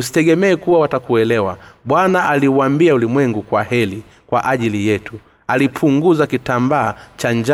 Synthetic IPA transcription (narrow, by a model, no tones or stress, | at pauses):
us̬i̥tɛɡɛmɛːkuwawatakuɛlɛwa̰ɓwanaaliuambiaulimwɛŋɡukwahɛli | kwaʔaʄilijɛtu | alipʰuŋɡuzakitambaːt͡ʃaɲd͡ʒa